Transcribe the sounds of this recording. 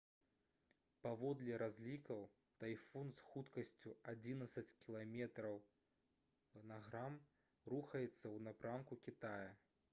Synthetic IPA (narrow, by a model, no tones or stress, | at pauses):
pavɔd̪lʲɛɾazʲlʲikɐw | t̪ajfɔnsxut̪kɐsʲt͡sʲuad͡zʲinɐt̪sɐt͡sʲkʲilˠamʲɛt̪ɾɐw | naɣɾam | ruxɐjɛt̪sːɐwnapɾankukʲit̪ajɐ